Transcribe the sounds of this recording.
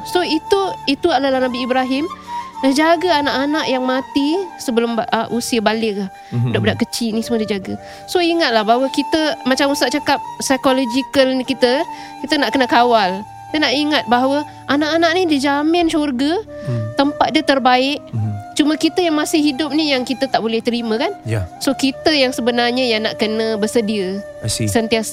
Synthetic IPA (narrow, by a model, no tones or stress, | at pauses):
soit̪uit̪ualalahnabiːbɾaɦɪmdəhd͡ʒaɡəanaʔanaʔjaŋmat̪isəbəlʊmbʔusiəbalɪʔlah | doʔbədaʔkət͡ʃinisəmədəd͡ʒaɡə | soiŋat̪̚lahbaɦawəkit̪əmat͡ʃamusaʔ̚t͡ʃəkap̚sajkolod͡ʒikəlnikit̪ə | kit̪ənaʔkənəkawal | t̪ənaʔiŋat̪̚baɦawə | anaʔanaʔ̚nidizamɪnsorɡət̪əmpat̪̚diət̪ərbaɪʔt͡ʃumə̃kit̪əjaŋmasɪhɦidʊp̚nijaŋkit̪ət̪aʔbolɛht̪əɾimə̃kanjsokit̪əjaŋsəbənarɲəjaŋnaʔkənə̃bərsədiə | sənt̪ias